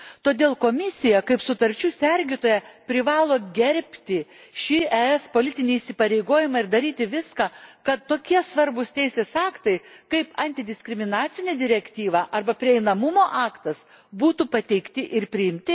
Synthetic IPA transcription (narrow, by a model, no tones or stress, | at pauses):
t̪oːd̪ʲeːlˠkoːmʲɪsʲɪjɛkɐɪpsʊt̪ɐɾʲt͡ʃʲuːsʲɛɾʲɡʲɪt̪oːjɛpʲɾʲɪʋɑːlˠoːɡʲɛɾʲpʲt̪ʲɪʃʲɪæɛspoːlʲɪt̪ʲɪnʲiːisʲɪpɐɾʲɛɪɡoːjɪmɑɪrd̪ɐɾʲiːt̪ʲɪʋʲɪskɑkɐt̪ːoːkʲiɛsʋɐɾbʊst̪ʲɛɪsʲeːsɑːkt̪ɐɪkɐɪpɐnʲt̪ʲɪd̪ʲɪsʲkʲɾʲɪmʲɪnɑːt̪sʲɪnʲed̪ʲɪɾʲɛkt̪ʲiːʋɑʔɐrbɐpʲɾʲɪɛɪnɐmʊmoːʔɑːkt̪ɐs | buːt̪upɐt̪ʲɛɪkt̪ʲɪʔɪrpʲɾʲɪɪmʲt̪ʲɪ